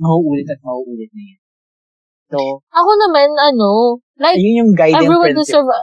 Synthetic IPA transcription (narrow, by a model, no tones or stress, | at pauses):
mɐhuʔuːlɪt̪ɐt̪̚mɐhuʔuːlɪt̪̚nɐjan | soʔɐko̞nɐmanʔɐno̞ | lajjʊnjʊŋɡajdɛ̃vɹiwɐ̃d̪ɪsɛɹv